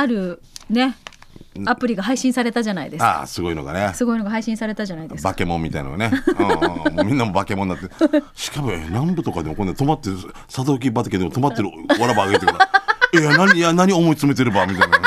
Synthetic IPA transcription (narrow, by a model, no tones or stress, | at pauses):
aɾɯ̟ | ne̞ | apɯ̟ɾʲiɡaɦaiɕĩsaɾe̞t̪aʑanaḭd̪e̞sḁ̰sɨɡo̞ino̞ɡa̰nesɨɡo̞inoɡaɦaiɕĩsaɾe̞t̪aʑanaid̪e̞sbake̞mõ̞mːʲit̪a̰ina̰oanẽ | momʲĩnːamobake̞mõnːat̪ːeɕi̥kabɯenãmbɯ̟t̪o̞kad̪emokonːat̪o̞mat̪ːe | sad̪ok̬ʲibat̪oked̪eot̪omat̪ːe̞ɾɯaɾabaːɡet̪ektaenaɲianaɲ̟iomo̞it͡sɨme̞t̪e̞ɾɯ̟bamʲit̪ain